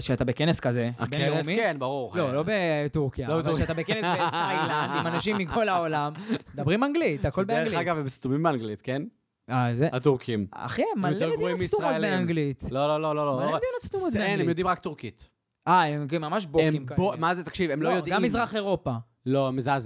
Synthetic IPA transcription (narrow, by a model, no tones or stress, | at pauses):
ʃeat̪abekeneskazea̰bekneeemikenbaʁuʁlolo̞bet̪uʁkijalobeuat̪abekenesbeajland̪imanaʃ̬imːiko̞laolamd̪abʁimaŋɡlit̪ako̞lbeliaɡavbest̪umimbeaŋɡlit̪ken | azeat̪uʁkima̰χemajoleedɡʁoimbeisumʁmolbeaŋɡlit̪lololololoaled̪inott͡st̪umot̪eenemjod̪imʁak̚t̪uʁkit̪ | aemkemamaʃboimkabomazet̪akʃivemlojjod̪ɡammizʁaχe̞ʁo̞pa | lomizaz